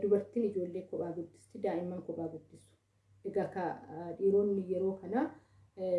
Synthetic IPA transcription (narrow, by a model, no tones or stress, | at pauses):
d̪ʊbɐɾt̪iːnɪd͡ʒo̞ːlːeːkɔɓaːɡʊd̪ːɪ̥st̪ɪd̪aːʔɪmːɐːŋkɔɓaːɡʊd̪ːɪsʊ̥ | ʔɛɡɐkaːᶑiːɾo̞ːnːɪjɛɾo̞ːkɐnaː